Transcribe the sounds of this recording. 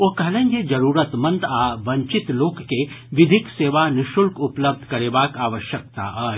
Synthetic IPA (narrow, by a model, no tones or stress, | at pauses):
okɐlə̃ɲɡed͡ʒɐɾuːɾət̪mɐ̃nd̪aʋɐ̃ɲt͡ʃɪt̪loːkːeʋɪd̪ʱikseːʋanɪʃʊlkʊpləb̚d̪ʱkɐɾeːʋaːkaːʋəʃjək̚t̪a̰ɦɐ